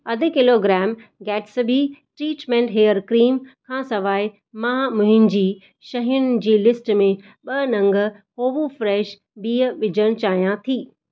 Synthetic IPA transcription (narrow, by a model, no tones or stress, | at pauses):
ɐd̪ʱɪ̆kɪloːɡɾɛːmɡɛːʈsbʱiʈɾiːʈmẽːɳʈɦeːəɾkɾiːmkʰãːsɐʋaːɪ | mãːmʊ̃ɦɪ̃nd͡ʑiː | ʃɐɦijʊnɪ̆d͡ʑiːlɪsʈmẽ | ɓɐnɐ̃ŋɡə̆hoːʋufɾɛːʃ | biːəʋɪd͡ʑəɽ̃t͡ɕaːɦijãt̪ʰiː